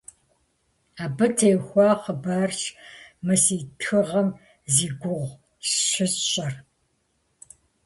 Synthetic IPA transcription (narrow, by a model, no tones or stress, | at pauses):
aːbɐtʰeːxʷɑːqəbarɕmɨsiːtʰɨʁɐm | ziːɡʷʊʁʷ | sɕʷɪzɕʼɐr